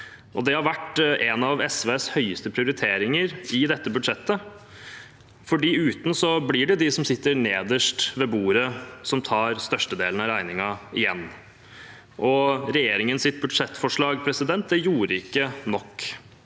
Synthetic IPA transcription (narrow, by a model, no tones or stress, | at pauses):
ʔɔd̪ɛhɑɾʋæʈʔɛnɑʋɛsʋeːshœʏəst̪əpʰɾɪʊɾɪt̪ʰeːɾɪŋəɾɪd̪ɛt̪ːəbʉd̪ʂɛt̪ːə | fɔɖiːʉːt̪n̩sɔblɪɖɛd̪ɪsɔmsɪt̪ːəɾneːd̪əʂʈʋeːbuːɾəsɔmt̪ʰɑːɾst̪œʂʈəd̪eːln̩ɑɾæɪnɪŋɑɪjɛnː | ʔɔɾɛjeːɾɪŋənsɪt̪̚bʉd̪ʂɛt̪ːfɔʂɭɑːɡpʰɾɛsɪd̪ɛnt̪̚d̪ɛjuːɾəɪkːənɔkː